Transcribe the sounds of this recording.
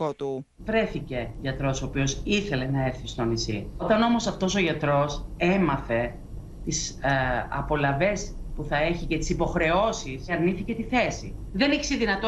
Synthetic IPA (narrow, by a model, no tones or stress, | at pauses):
ot̪u | vɾe̞θice̞ʝɐt̪ɾo̞soːpio̞siθe̞le̞nɐe̞ɾθist̪onisḭot̪ɐno̞mo̞sɐft̪o̞so̞ʝɐt̪ɾo̞se̞mɐθe̞ | t̪isɐ̰po̞lɐve̞spuθɐe̞çicet̪i̥sipo̞xɾe̞o̞sisɐɾniθice̞t̪iθe̞sḭ | ðe̞niçi̥seðinɐt̪o